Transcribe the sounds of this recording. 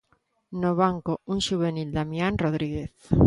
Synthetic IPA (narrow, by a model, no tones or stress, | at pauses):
noβ̞aŋkouŋʃuβ̞enild̪amjanroð̞ɾiɣeθ